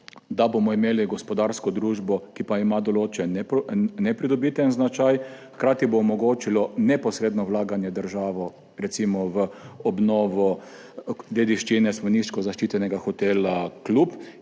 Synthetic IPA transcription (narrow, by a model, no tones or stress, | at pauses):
d̪abomɔimeːliɡɔspɔd̪aɾskɔd̪ɾuːʒbɔkipaimad̪ɔloːt͡ʃɛnnɛpɾid̪ɔbiːt̪ɛnznat͡ʃajxkɾaːt̪iboːmɔɡoːt͡ʃilɔnɛpɔsɾeːd̪nɔwlaːɡanjɛd̪əɾʒaːʋɔ | ɾɛt̪simɔʋəɔbnɔːʋɔ | d̪jed̪iʃt͡ʃinɛsmɔnist͡ʃkɔzaʃt͡ʃit̪ɛnɛɡaxɔt̪elaklup